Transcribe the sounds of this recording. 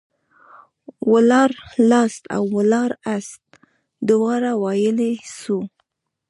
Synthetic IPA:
wəlɑɾlɑst̪a̰wːəlɑɾast̪̚ | d̪ʊwɑɾawɑjəlesu

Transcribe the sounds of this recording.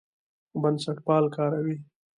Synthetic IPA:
bansaʈpɑːlkɑːɾawi

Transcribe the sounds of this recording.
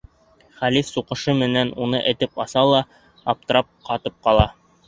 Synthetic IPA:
χælifsuqɤ̆ʃɤmɘ̆nænunɤʔɘ̆t̪ɘpɑsɑlˠɑː | p̚t̪ɤ̆ɾɑp̚qʰɑt̪ɤp̚qɑlˠɑ

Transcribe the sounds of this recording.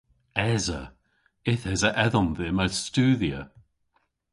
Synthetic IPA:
ɛzə̰ | ɪθɛzəʔɛðɔnðɪːməstʉːðiə

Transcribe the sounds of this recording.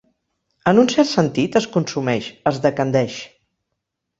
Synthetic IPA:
ənunsɛɾt̪sənt̪it̪əskunsumɛʃəzðəkənd̪ɛʃ

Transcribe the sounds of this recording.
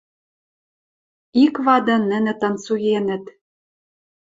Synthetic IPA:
ikβɑd̪ɤ̆nɘ̆nɘ̆t̪ɤ̆nsujenɘ̆t̪

